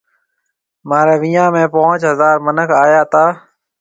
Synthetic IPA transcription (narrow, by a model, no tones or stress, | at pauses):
maːɾeːʋiːjãːmẽːpoʊt͡ʃɦəzaːɾmənəkʰaːjaːt̪aː